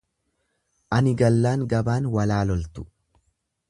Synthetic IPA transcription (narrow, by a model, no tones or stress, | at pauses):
ʔɐnɪɡɐlːaːŋɡɐbaːnwɐlaːlɔlt̪ʊ̥